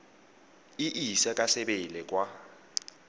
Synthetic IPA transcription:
iʔisɛkʼasɛɓɛlɛkʼwa

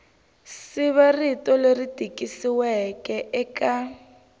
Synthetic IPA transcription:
sɪβaritʼɔleritʼikʼisiwɛkʼɛʔɛkʼa

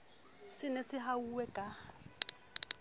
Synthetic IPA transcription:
sɪnesɪɦauwɛkʼa

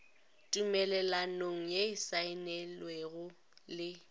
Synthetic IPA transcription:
tʼumɛlɛlanoŋ̩jeɪsaɪnɛlweɣʊ | lɪ

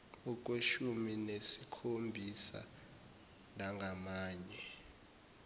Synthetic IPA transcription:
uk̬ʼweʃuminesikʰombʱisa̰ | nʱaŋɡʱamaːɲɛ

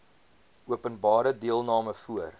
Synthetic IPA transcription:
ʔuəpənbɑːɾədiəlˠnɑːməfuər

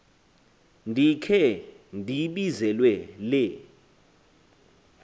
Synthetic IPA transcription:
ndʱikʰɛ | ndʱiɓizɛlwɛlɛ

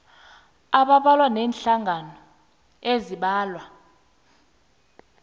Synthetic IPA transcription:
aɓaɓalwanɛnɬaŋʱanɔ | eziɓaːlwa

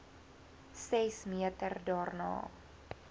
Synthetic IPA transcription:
sɛsmiətərdɔːrnɑ̰ː

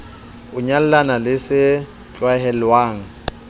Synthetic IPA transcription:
ʊɲal̩lanalɪsɪ | t͡ɬʼwahɛlwaːŋ̩

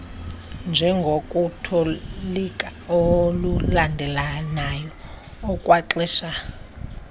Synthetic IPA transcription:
nd͡ʒʱɛŋɡʱokʼutʰolikʼaolulandʱɛlanajɔː | kʼwaǁɛʃa

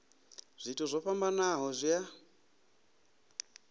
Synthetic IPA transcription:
z̥ʷitʰuzʷɔɸambanaɦɔzʷja

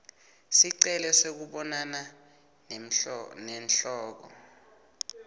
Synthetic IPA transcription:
siǀɛlɛsek̬uɓɔnana | n | nɛnɬɔːk̬ɔ̰

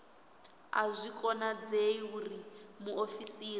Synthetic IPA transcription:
a̰zʷikʼɔnad͡zeiurimuofisiːri

